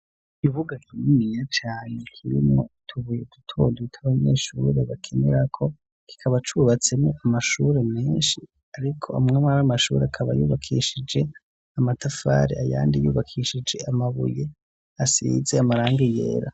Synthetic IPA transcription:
iβuɡakinimiɲat͡ʃaːne̞kʰiɾḭmŋotʰuβujedutʰoːnditʰaβaɲeːʃuːɾe̞βakʰeneɾakʰo̞ | ki̥kʰaβat͡ʃuβat͡se̞moʔamaʃuɾe̞meːnʃi | aɾikʰo̞̰amŋemaamaʃuːɾeakʰaβa̰juːβakʰiʃid͡ʒe̞ | amatafa̰ːɾeaja̰ːndijuːβakʰiːʃid͡ʒe̞amaβṵje | asḭzeamaɾaːŋɡijḛːɾa

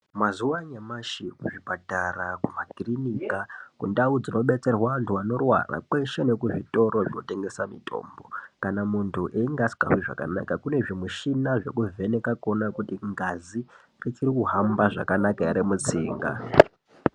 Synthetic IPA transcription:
mazuwaɲamaʃikuʐibʱatarakumaɡirinikakundaud͡zino̞ɓe̞t͡se̞rwaʋantʰuano̞rwa̰ra̰kwe̞ʃe̞ne̞kuʐito̞ɾo̞ʐino̞te̞ŋɡe̞samḭtʰo̞̰ːmbo̞kanamuntʰuʔeiŋɡasi̥ka̰ɦwiʐa̰ka̰na̰kakune̞ʐimuʃinaʐe̞kuve̞nekako̞nakutiŋɡazi | ret͡ʃirikuɦambaʐa̰kanakaeɾemut͡siːŋɡa̰

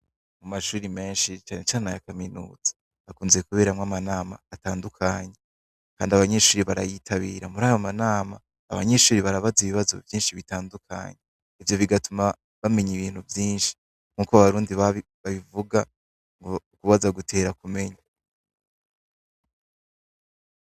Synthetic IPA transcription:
mumaʃuːɾime̞ːnʃit͡ʃaːnet͡ʃaːnajakaminṵːz̥ḁ | akuːnzekuβe̞ːɾamŋamanaːma̰ːtaːndukʰaɲe | kaːndiaβaɲe̞ʃuːɾiβaɾa̰jitʰaβiːɾamuɾaːjo̞manaːma̰ː | βa̰ɲe̞ʃuːɾiβaɾaβaziβiβazo̞̰vjiːnʃiβitaːndukʰa̰ɲe | ivjo̞βiɡatuma | βame̞ɲiβiːn̥huvjiːnʃi̥ | ŋ̥uːkoaβaɾuːndiβa | βaβivuɡa | ŋɡoukuβazaɡutʰe̞ːɾakume̞ɲa

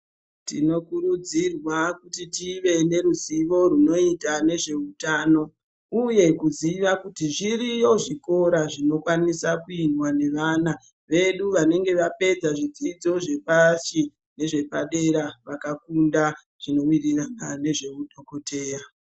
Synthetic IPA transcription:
tino̞kurud͡zirwakutitiʋe̞ne̞ɾuziʋo̞runo̞itane̞ʐe̞utaːno̞ | uje̞kuziʋakutiʐiɾijo̞ʐiko̞ɾaʐino̞kwanisakuinwane̞ʋana | ʋe̞ɗuʋane̞ŋɡe̞ʋape̞d͡zaʐid͡zid͡zo̞ʐe̞pasi | ne̞ʐe̞paɗe̞ɾaʋakakunda | ʐ̥ino̞wiriranane̞ʐe̞muɗo̞ko̞tʰe̞ːja

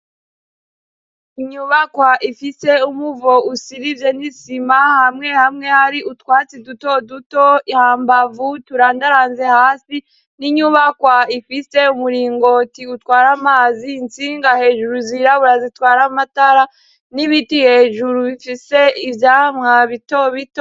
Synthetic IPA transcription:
iɲuːβakwaʔifise̞umuvo̞usiɾivje̞nisimahamŋe̞hamŋe̞haɾiʔutwaːt͡siduto̞dutoihaːmbavutuɾaːndaɾaːnze̞haːsi | niɲuːβakwaifise̞umuɾiːŋɡo̞tiutwaːɾamaziːnt͡siːŋɡahe̞ːʒuɾuziɾaβuɾazitwaːɾamataɾa | niβitihe̞ːʒuɾuβifise̞ivjaːmŋaβitoβito

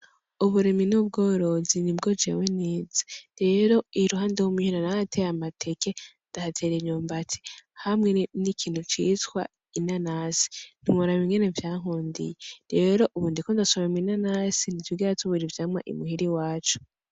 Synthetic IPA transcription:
uβuɾiminub̚ɡoːɾo̞zinibɡo̞d͡ʒḛweneːzḁɾe̞ɾo̞iɾuɦaːndewomihiɾanahatʰejamatʰekendahatʰeɾeɲuːmbatʰi̥hamŋe̞nikʰiːn̥hut͡ʃiːtkwa̰ | inanasi̥n̥imuɾamiŋɡene̞vjaːɦuːndḭjeɾeɾo̞ʔuβuːndikondasomemwinanasinitwiɡiɾatuβuɾivjamwaʔḭmuhiɾiwaːt͡ʃu̥

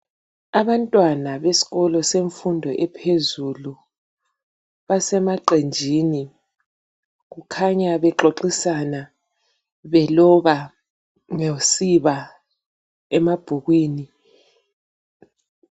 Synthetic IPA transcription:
aβantʼwanaβesi̥ɣɔlɔseɱfundʱɔʔɛpʰezulu | βasɛmaǃend͡ʒʱini | ɣukʰaɲaβɛǃoǃisana | βɛlɔβa | ŋesiβa | ɛmab̥ʱuɣwiːni

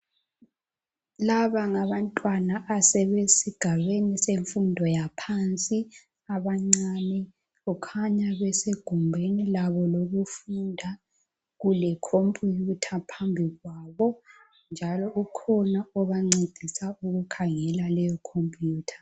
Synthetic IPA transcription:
laβaŋaβantʼwanaʔːsɛβesiɡ̥ʱaβeniseɱfundʱɔjapʰant͡sʼi | aβaŋ͡ǀanɛ | ɣɔkʰaɲaβɛseɡ̥ʱumbʱenilaβɔloɣufundʱa | ɣulɛkʰompʼjutʰapʰambʱiɣwaːβɔ | nd͡ʒʱalɔʔukʰɔnaɔβaŋ͡ǀed̥ʱisauɣukʰaŋɛlalɛjɔkʰompʼjuːtʰḁ

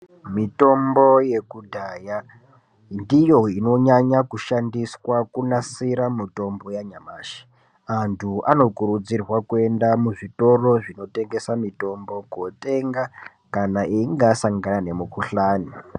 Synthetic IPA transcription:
mito̞mbo̞je̞kudʱaːja | ndijo̞ino̞ɲaɲakuʃandiswakunasiɾamito̞mbo̞jaɲamaːʃi̥ | antʰuʔano̞kuɾud͡zirwakue̞ndamuʐito̞ro̞ʐino̞te̞ŋɡe̞samito̞mbo̞kote̞ŋɡa | kanaiiŋɡasaŋɡanane̞mukuɬaːni

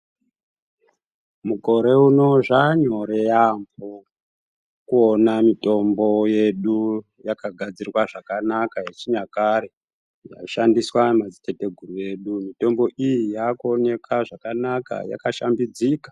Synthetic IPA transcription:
muko̞ɾe̞uno̞ʐaɲo̞ɾejambo | kuonamito̞mbo̞je̞ɗu | jakaɡʱad͡zirwaʐakanakajet͡ʃiɲakaɾe̞ | ja̰ʃandiswamad͡zite̞te̞ɡʱurue̞ɗumito̞mbo̞ʔijijakuo̞ne̞kaʐakanaka̰ja̰kaʃambid͡zikḁ

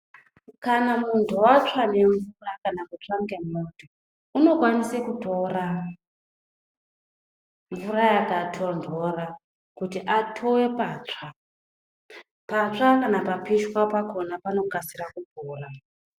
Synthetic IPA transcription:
kanamuntʰuwat͡ʂane̞ɱvurakanakut͡ʂaŋɡe̞moto | uno̞kwanisekuto̞ra | ɱvurajakatʰondʱo̞ra | kutiʔatʰowe̞pat͡ʂa | pat͡ʂakanapapiʃkwapako̞napano̞kasirakubuːra

